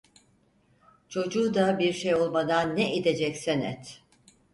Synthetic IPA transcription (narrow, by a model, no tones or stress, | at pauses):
t͡ʃʰo̞d͡ʒuːd̪abiɾʃejo̞lˠmad̪anːɛʔid̪e̞d͡ʒɛcsɛnɛ̰t̪